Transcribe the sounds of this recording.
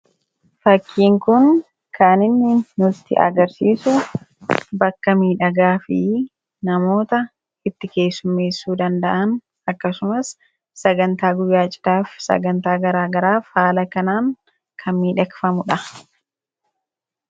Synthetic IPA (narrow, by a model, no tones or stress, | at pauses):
fɐkʰːiːŋkʊn | kʰaːnɪnːɪnʊt̪ːɪ̰ʔɐ̰ɡɐɾsiːsʊ | bɐkːɐmiːᶑɐɡaːfɪ | nɐmo̞ːt̪ɐ | ɪt̪ːɪke̞ːsːʊmːe̞ːsːuːd̪ɐnd̪ɐʔɐn | ɐkːɐsʊmɐsː | ɐɡɐnt̪aːɡʊjːaːt͡ʃʼɪ̥d̪aːfsɐ̰ɡɐnt̪aːɡɐɾaːɡɐɾaːfhaːlɐkɐnaːŋ | kʰɐnmiːᶑɐkfɐmʊᶑɐ